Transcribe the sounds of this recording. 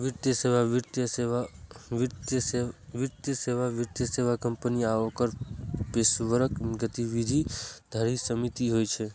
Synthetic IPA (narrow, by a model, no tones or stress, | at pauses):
ʋiɾt̪jəseʋaʋit̪jəeaʋit̪ | ʋiɾt̪jəseʋaʋiɾt̪jəseʋakəmpəniaʋəkəɾpeʃʋəɾəkɡət̪iʋid̪ʱid̪ʱəɾisəmit̪iɦojt͡ʃʰe